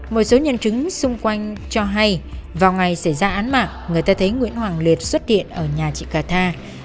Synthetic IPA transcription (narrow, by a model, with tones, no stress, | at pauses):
mo˨˩t̚so˨˦ɲə˧nt͡ɕɨ˨˦ŋsʊ˧ŋ͡mkwa˧jŋ̟t͡ɕɔ˧ɦa˧jvaː˨˩wŋa˨˩jsa˧˩jzaː˧ʔaː˨˦nma̰ː˧˨˩ŋːɨ˨˩əjt̪aː˧t̪ʰə˨˦jŋwḭ˧˥ənhwaː˨˩ŋli˨˩ət̚swə˦˥t̚hḭ˧˨ənʔəː˧˩ɲaː˨˩t͡ɕḭ˧˨kaː˨˩t̪ʰaː˧